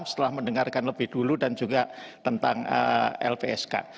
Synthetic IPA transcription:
sə̥t̪əlahməndəŋarkanləbɪhd̥uludand͡ʒuɡat̪ənt̪a̰ŋə̰ɛ̰lpeɛska̰

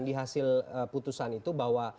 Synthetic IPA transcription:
ndiɦasɪləput̪usanit̪ubaɦwa

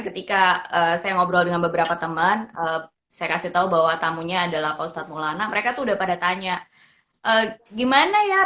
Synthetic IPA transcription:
kət̪ikaəsajaŋɔbɾɔldəŋanbəbəɾapat̪əmənə | sajakasit̪aubaɦwat̪amuɲaːdalapɔst̪at̪̚mulanaməɾekat̪uudahpadat̪aɲa | ʔəːɡimanaja

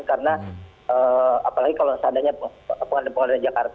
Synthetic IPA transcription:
kaɾəna | əapalaɡikalosəadaɲaəpəŋandɛpəŋalnad͡ʒakart̪a

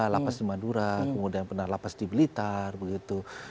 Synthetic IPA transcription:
lapasdimaduɾakəmudianpərnaɦlapasdibilit̪arbəɡit̪u

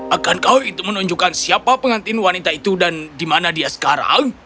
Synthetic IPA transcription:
ʔakankauit̪ʊmənuɲd͡ʒukansiapapəŋant̪inwanit̪ait̪udandimanadiasə̥kaɾa̰ŋ

